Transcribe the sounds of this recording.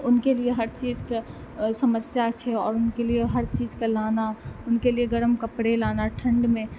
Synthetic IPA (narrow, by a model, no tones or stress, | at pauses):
ʊnkelieɦɐɾt͡ʃiːzke | səməsjat͡ʃʰɛɔ̰ːɾʊnkelieɦɐɾt͡ʃiːzkelaːnaʊnkelieɡɐɾəmkəpɽelaːnaʈʰə̃ɳɖmẽ